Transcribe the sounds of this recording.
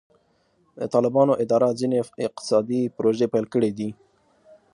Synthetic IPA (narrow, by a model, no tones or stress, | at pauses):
d̪ə̰t̪ɑlɪbɑnoʔɪd̪ɑɾazineɪq̚t̪ɪ̥sɑd̪ipɾoʒepajlkəɽid̪i